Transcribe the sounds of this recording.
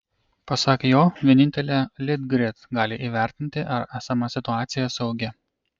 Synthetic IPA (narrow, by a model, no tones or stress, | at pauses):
pɐsɑːkʲejoːʋʲiɛnʲɪnʲt̪ʲɛlʲeːlʲɪd̪ɡɾʲɪt̪ɡɑːlʲɪʔiːʋʲæˑɾʲt̪ʲɪnʲt̪ʲɪʔɐɾæːsɐmɑsʲɪt̪ʊɑːt̪sʲɪjɛsɐʊɡʲɛ